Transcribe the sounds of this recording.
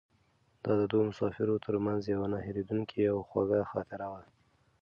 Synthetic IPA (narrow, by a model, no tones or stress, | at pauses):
d̪ɑd̪əd̪omʊsɑfɪɾot̪ʰəɾmanzjawanaheɾed̪uŋkʰiawxwa̰ɡaxɑ̰t̪ɪɾawa